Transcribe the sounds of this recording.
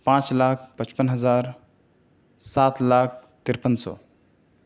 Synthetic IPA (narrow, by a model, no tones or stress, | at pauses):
pãːt͡ʃlaːkʰpət͡ʃpənɦəzaːɾ | saːt̪laːk̚ʰt̪ɪɾpənsɔ̰ː